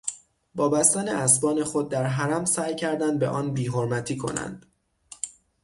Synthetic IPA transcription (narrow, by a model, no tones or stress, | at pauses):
bɒːbæst̪ænḛʔæsbɒːne̞xo̞d̪̚ːæɾɦæɾæmsæːjcʰæɾd̪ænd̪̚be̞̰ʔɒːnbiːɦoɾmæt̪ʰiːkʰo̞̰næ̰nd̪̥